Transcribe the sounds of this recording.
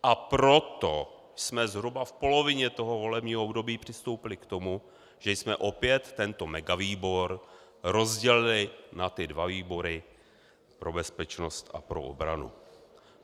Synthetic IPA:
ʔapɾo̞t̪o̞ | jsmɛzɦɾubafpo̞lo̞vɪɲɛt̪o̞ɦo̞vo̞lɛbɲiːɦoobdo̞biːpr̝̥ɪst̪o̞wpɪlɪkt̪o̞mu | ʒ̥ɛjsmɛʔo̞pjɛt̪ːɛnt̪o̞mɛɡaviːbo̞ɾ | ɾo̞zɟɛlɪlɪnat̪ɪdvaviːbo̞ɾɪ | pɾo̞bɛspɛt͡ʃno̞st̪ʔa̰pɾo̞̰ʔo̰bɾa̰nṵ

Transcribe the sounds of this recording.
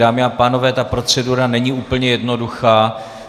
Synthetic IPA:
aːmɪapaːno̞vɛːt̪apɾo̞t͡sɛduɾanɛɲiuːpl̩ɲɛjɛdno̞duxaː

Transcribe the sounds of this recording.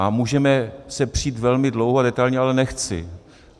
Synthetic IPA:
amuːʒɛmɛsɛpr̥iːt̪vɛlmɪdlowɦoadɛt̪ajlɲɛalɛnɛxt͡sɪ̰

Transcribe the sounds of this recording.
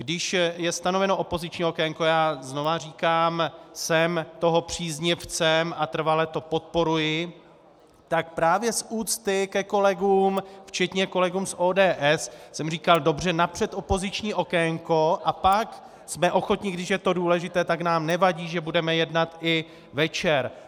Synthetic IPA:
ɡ̥dɪʃjɛst̪ano̞vɛno̞ʔopo̞zɪt͡ʃɲiːo̞kɛŋkojaːzno̞variːkaːmsɛmt̪o̞ɦo̞pr̝̥iːzɲɪft͡sɛmʔat̪r̩valɛt̪o̞po̞t̪̚po̞ɾujɪ | t̪ak̚pɾaːvjɛsuːt͡st̪ɪkɛko̞lɛɡuːmft͡ʃɛt̪ɲɛko̞lɛɡuːmsʔoːdɛːʔɛssɛmriːkaldo̞br̝ɛnapr̝̥ɛt̪ʔo̞po̞zɪt͡ʃɲiːʔo̞kɛŋko̞ʔapak | smɛʔo̞xo̞t̪ɲɪɡdɪʃjɛt̪o̞duːlɛʒɪt̪ɛːt̪aknaːmnɛvaɟiːʒɛbudɛmɛjɛdnat̪ʔɪ | vɛt͡ʃɛɾ

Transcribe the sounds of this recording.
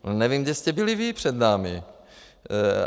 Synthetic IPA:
nɛviːmɡdɛst̪ɛbɪlɪviːpr̝̥ɛd̪naːmɪ

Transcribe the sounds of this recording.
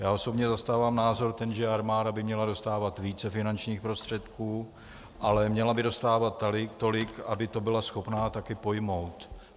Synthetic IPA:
jaːo̞so̞bɲɛzast̪aːvaːmnaːzo̞ɾt̪ɛnʒɛaɾmaːdabɪmɲɛlado̞st̪aːvat̪viːt͡sɛfɪnant͡ʃɲiːxpɾo̞st̪r̝̥ɛt̪kuː | ʔalɛmɲɛlabɪdo̞st̪aːvat̪ːalɪkt̪o̞lɪka̰bɪt̪o̞bɪlasxo̞pnaːt̪akɪpo̞jmo̞wt̪

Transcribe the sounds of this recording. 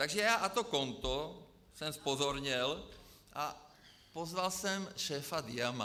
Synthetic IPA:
t̪aɡʒɛjaːʔat̪ɔkɔnt̪ɔ | sɛmspɔzɔɾɲɛl | ʔa | pɔzʋalsɛmʃɛːfad̪ɪama

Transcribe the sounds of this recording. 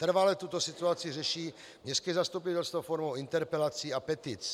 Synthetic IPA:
t̪r̩valɛt̪ut̪osit̪uat͡sɪɪrɛʃiː | mɲɛskɛzast̪upit̪ɛlst̪vofɔɾmowint̪ɛɾpɛlat͡siːapɛt̪it͡s

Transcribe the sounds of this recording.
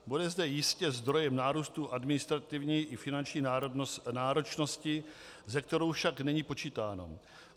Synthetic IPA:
budɛzdɛjɪscɛzd̪ɾo̞jɛmnaːɾuːst̪uʔadmɪnɪst̪ɾat̪ɪvɲiːʔɪfɪnant͡ʃɲiːaɾnaːɾot͡ʃno̞scɪ | zɛk̚t̪ɛɾo̞wfʃaknɛɲiːpo̞t͡ʃiːt̪aːno̞̰

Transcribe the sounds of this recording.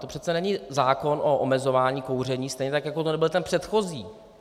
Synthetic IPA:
t̪o̞pr̝ɛt̪t͡sɛnɛɲizaːko̞nʔoʔomɛzo̞vaːɲiːkowr̝ɛɲiːst̪ɛjɲɛt̪akjakot̪onɛbɪlt̪ɛnpr̥ɛt̪xo̞ziː

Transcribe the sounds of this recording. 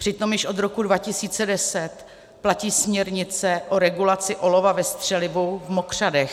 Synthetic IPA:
pr̥ɪt̪omjɪʃʔo̞d̪ɾo̞kudvacɪsiːt͡sɛdɛsɛt̪ | placiːsmɲɛɾɲɪt͡sɛʔoɾɛɡulat͡sɪʔo̞lo̞vavɛst̪r̥ɛlɪvovmokr̝̥adɛx

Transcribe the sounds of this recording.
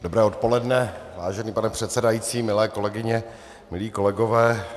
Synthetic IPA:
d̥obɾɛːo̞t̪̚po̞lɛdnɛvaːʒɛniːpanɛpr̥ɛt̪sɛdajiːt͡siːmɪlɛːko̞lɛɡɪɲɛ | mɪliːko̞lɛɡovɛː

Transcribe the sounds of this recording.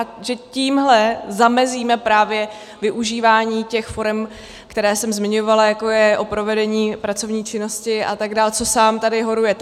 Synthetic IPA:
ʔaʒɛciːmɦlɛzamɛziːmɛpɾaːvjɛ | vɪʔuʒiːvaːɲiːcɛxfo̞ɾɛm | kt̪ɛɾɛːsɛmzmɪɲo̞valajako̞jɛʔo̞pɾo̞vɛdɛɲiːpɾat͡so̞vɲiːt͡ʃɪno̞scɪʔa̰t̪aɡdaːlt͡so̞saːmt̪adɪɦo̞ɾujɛ

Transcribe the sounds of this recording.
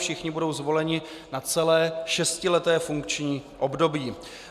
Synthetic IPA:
fʃɪxɲɪbudo̞wzvo̞lɛɲɪ | nat͡sɛlɛːʃɛscɪlɛt̪ɛːfuŋk̚t͡ʃɲiːʔo̞bdo̞biː

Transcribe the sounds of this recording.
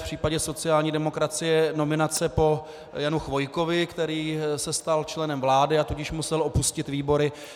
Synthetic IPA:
pr̝̥iːpaɟɛso̞t͡sɪaːlɲiːdɛmo̞kɾat͡sɪjɛno̞mɪnat͡sɛpo̞ | januxvo̞jko̞vɪkt̪ɛɾiːsɛst̪alt͡ʃlɛnɛmvlaːdɪat̪uɟɪʃmusɛlʔo̞puscɪt̪viːbo̞ɾɪ

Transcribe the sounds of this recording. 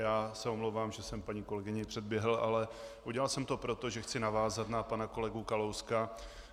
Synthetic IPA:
jaːsɛo̞mlowvaːmʒɛsɛmpaɲiko̞lɛɡɪɲɪpr̝̥ɛd̪̚bjɛɦl̩ʔa̰lɛʔuɟɛlalsɛmt̪o̞pɾo̞t̪o̞ʒɛxt͡sɪnavaːzat̪napanako̞lɛɡukalowska

